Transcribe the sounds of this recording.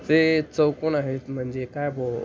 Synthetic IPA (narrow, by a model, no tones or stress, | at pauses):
t͡set͡səwkonaɦet̪m̤əɳd͡ʑekajbo